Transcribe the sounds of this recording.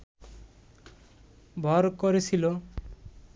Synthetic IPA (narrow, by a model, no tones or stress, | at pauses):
bʱɔɾkɔɾesʰilo